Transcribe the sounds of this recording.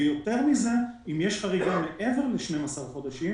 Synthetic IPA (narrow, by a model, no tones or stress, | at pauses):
jo̞t̪e̞ʁmize̞imjeʃχaʁiɡameʔe̞ve̞ʁleʃne̞masaʁχo̞d̪aʃi